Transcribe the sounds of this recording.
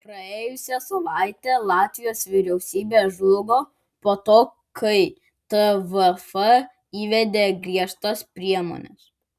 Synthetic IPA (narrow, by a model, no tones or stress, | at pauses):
pɾɐeːjʊsʲɛsɐlˠɑɪt̪ʲeːlˠɑːt̪ʲʋʲɪjoːsʋʲɪɾʲɛʊsʲiːbʲeːʒʊlɡoː | poːt̪oː | kʰɐɪ | t̪əʋɛfɐ | iːʋʲɛd̪ʲeːɡɾʲiɛʃt̪ɐspʲɾʲiɛmo̰ːnʲɛ̰s